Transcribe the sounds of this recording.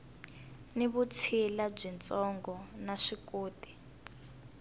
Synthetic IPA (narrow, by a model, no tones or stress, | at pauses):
niβut͡sʰilab͡ʐint͡sʼɔŋɡɔnaʂikoːdi̥